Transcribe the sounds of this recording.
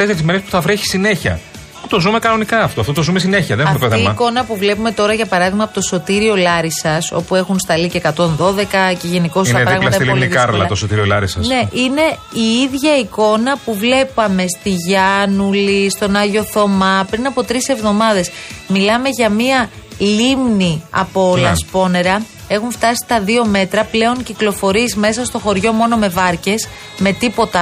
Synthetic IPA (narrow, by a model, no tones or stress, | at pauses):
t̪eseɾizmeɾespu̥θɐvɾeçi̥sine̞çɐ̰ | put̪o̞zume̞kɐno̞nikɐɐft̪oɐft̪ot̪ozumes̬ine̞çiɐðenɐfmt̪oθimɐko̞nɐpuvle̞pume̞t̪o̞ɾɐʝɐpɐɾɐðiɣmɐpo̞t̪oso̞t̪iɾio̞lɐɾisɐso̞̰pue̞xunst̪ɐlicekɐt̪o̞nðo̞ðe̞kɐce̞ʝe̞niko̞siɐepɾɐɣɐlɐstsɐilonikɐɾlɐ̰t̪osot̪iɾiolɐɾisɐne̞ʔine̞ | iiðʝɐiko̞nɐpuvle̞pɐme̞st̪iʝɐnulist̪o̞nɐʝo̞θo̞mɐpɾinɐpo̞t̪ɾise̞vðo̞mɐðe̞smilɐme̞ʝɐmiɐ | limniɐ̰poolɐspo̞ne̞ɾɐ | e̞xuɱft̪ɐsi̥t̪ɐðio̞me̞t̪ɾɐple̞o̞ɲciklo̞fo̞ɾiezme̞sɐst̪o̞xo̞ɾʝo̞mo̞no̞me̞vɐɾce̞s | me̞t̪ipo̞t̪ɐ